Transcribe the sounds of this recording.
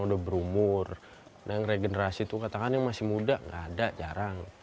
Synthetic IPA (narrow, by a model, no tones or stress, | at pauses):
ŋudahbəɾumʊr | najaŋreɡenəɾasit̪ukat̪akanjaŋmasɪmudaŋɡa̰ːdad͡ʒaɾaŋ